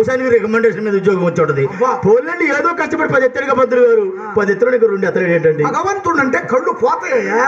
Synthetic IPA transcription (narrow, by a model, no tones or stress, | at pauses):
ɐʂaːnikiɾɛkɐmeɳɖeːʃɐnmiːd̪ɐud̪jɔːɡɐmɐt͡ʃːɐːɳʈɐd̪ipoːlnɐlːieːd̪oːkɐʂʈɐpɐʈipɐd̪et̪ːɐɾiɡɐːpɐd̪uluɡaːɾu | pɐd̪et̪ːɐɾɐːnikːɐɾuɳɖɛt̪ːɐɾeɖeːɳʈɐɳɖiɐɡɐʋɐnt̪uɳɐɳʈeːkɐɭːupɔːt̪ɐlena